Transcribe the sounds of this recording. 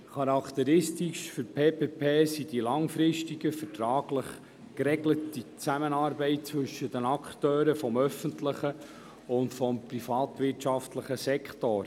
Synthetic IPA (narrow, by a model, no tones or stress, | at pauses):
χɑɾɑkt̪əɾɪstiʃfʏɾpʰeːpeːpʰeːsid̥ilɑŋfɾɪʃtiɡ̥əfətɾɑːɡləχ | kɾɛɡlətit͡sæmənɑːɾbɛɪt̚t͡sʋɵʃəd̥ənɑkχtøːɾəfɔmœfəntləχə | ʊntfɔmprifɑːtʋɪrtʃɑftləχəsɛkχtoːɾ